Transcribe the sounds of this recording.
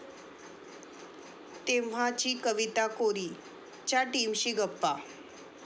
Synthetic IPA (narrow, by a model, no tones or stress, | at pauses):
t̪eʋ̤at͡ɕiːkəʋit̪akoɾi | t͡ɕaʈimɕiːɡəpːa